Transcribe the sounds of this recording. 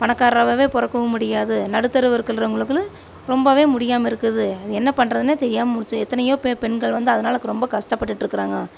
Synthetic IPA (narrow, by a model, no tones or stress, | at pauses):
pɐnɐkːaːɾɾɐʋɐʋeːpɔɾɐkːɯʋɐmʊɽɪjaːðɯnɐɽɯt̪ːɐɾɯʋɐɾkːɐɭɾɐʊŋɡɐɭɯkːɯl | ɾɔmbɐʋeːmʊɽɪjaːmɐɪɾɯkːɐðɯɐðɯɛnːɐpɐɳːɾɐðɯneːt̪ɛɾɪjaːmɐmʊɽɪt͡ʃːɯɛt̪ːɐnɐjõːpɛpɛɳɡɐɭʋɐnd̪ɯɐðɐnaːlɯkːɯɾɔmbɐkɐʂʈɐpːɐʈːɯʈːɪɾɯkːɯɾaːŋɡɐ